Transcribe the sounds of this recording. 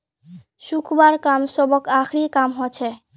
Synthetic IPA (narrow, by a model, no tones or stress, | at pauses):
sukʰbaɾkamsɔbɔkakʰɾikamɦɔt͡ʃʰɛ